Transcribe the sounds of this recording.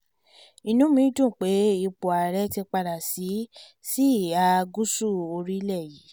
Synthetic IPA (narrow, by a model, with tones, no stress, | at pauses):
i˧nũ˨˦mĩ˧˦d͡ʒũ˦˨k͡pe˨˦i˧˨k͡po˨a˨ɾɛ˨˦ti˧k͡pa˧ɾa˨si˨˦ | si˦˨a˨˦˧ɡu˦su˦˨o˧ɾi˦lɛ˦˨ji˨˦